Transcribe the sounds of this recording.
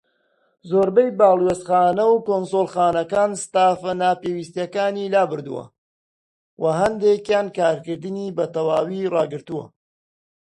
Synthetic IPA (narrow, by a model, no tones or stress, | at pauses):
zoːɾbɐjbaːlˠwest̪χaːnɐwkoːnsolˠxaːnɐkaːnsɨ̥t̪aːfɐnaːpeːwist̪jɐkaːniːlaːbɨɾd̪ṵwɐ̰ | wʔɐɦɐnd̪ekjaːnkaːɾkɨɾd̪ɨniːbɐt̪ɐwaːwirɑːɡɨɾt̪uwɐ̰